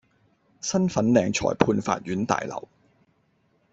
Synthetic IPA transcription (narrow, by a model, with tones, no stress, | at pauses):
sɐ˥nfɐ˨˥nlɛː˨˩ŋt͡ʃʰɔ̰ː˨˩jpʰuː˧nfa̰ː˧t̚ɥyː˨˥nt̪a̰ː˨jlɐ̰˨˩w